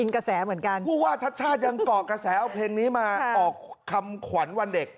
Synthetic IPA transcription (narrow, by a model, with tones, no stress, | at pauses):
ʔi˧ŋka˧sɛː˩˦mɯ˩˦ənka˧npʰuː˥˩waː˥˩t͡ɕʰa˦˥t̪̚t͡ɕʰaː˥˩t̪̚ja˧ŋk̪ɔː˨˩kɾa˧sɛː˩˦ʔa˧˩pʰleː˧ŋniː˦˥maː˧ɔː˨˩kʰːa˧mkʰwa˩˦nwa˧nde˨˩k̚